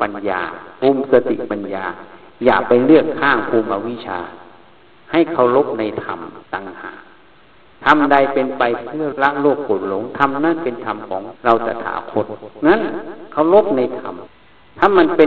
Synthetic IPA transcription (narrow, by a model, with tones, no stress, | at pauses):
pa˨nja̰ː˧po˧˨msa˧t̪ḭ˧˨ʔpa˨njaː˧ | jaː˨˩k̚pa˧jlɯ˥˩əkhʰaː˧˥˩ŋpʰuː˧˩ma˧wi˦˥˨t͡ɕʰa̰ː˧ | ha˧˩jkʰa˧˩wlo˦˥p̚na˧jt̪ʰa̰˧mt̪a˧ŋha̰ː˨˩k̚ | t̪ʰa˧mda˧˩jpe˧npa˧jpʰɯ˧˩˨ɐla˧ʔloː˥˩k̚bo˨˧˩nlo˨˦ŋt̪ʰa˧mna˧˥˨npe˨nt̪ʰa˧mkʰɔː˨˦ŋla˧wta̰˧˩t̪ʰa̰ː˨˧˦kʰo˧˥t̪̚na˧˥˨nkʰa˧˩˨wlo˦˥˨p̚na˧jt̪ʰa˧m | t̪ʰa˧˥˨mːa˧˨npe˧